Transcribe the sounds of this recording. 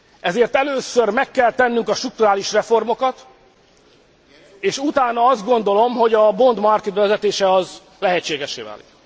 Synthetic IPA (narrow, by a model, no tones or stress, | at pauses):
ʔɛzeːrt̪ɛløːsørmɛkːɛlt̪ɛnːyŋkɒʃt̪ruk̚t̪uɾaːliʃrɛfo̞rmo̞kɒt̪ | eːʃut̪aːnɒɒzd̪ɡo̞nd̪o̞lo̞mɦo̞ɟɒbo̞nd̪mɒrket̪bɛvɛzɛt̪eːʃɛɒz | lɛɦɛt͡ʃːeːɡɛʃːeːva̰ːlḭk